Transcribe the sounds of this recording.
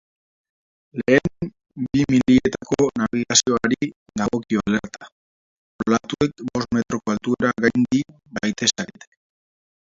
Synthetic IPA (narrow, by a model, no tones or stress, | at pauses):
le̞ːm | bimiliet̪akonaβiɣasio̞aɾi | ðaɣo̞kioale̞ɾt̪a | poɾlat̪ue̞kbo̞sme̞t̪ɾo̞koalt̪ueɾaɣajnd̪i | bajt̪e̞saɾet̪e̥